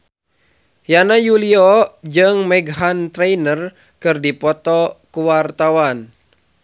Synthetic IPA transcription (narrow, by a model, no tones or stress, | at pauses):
janajuliɔd͡ʒɨŋmɛɡɦant̪ɾɛinər | kɨrdipɔt̪ɔkuwart̪awan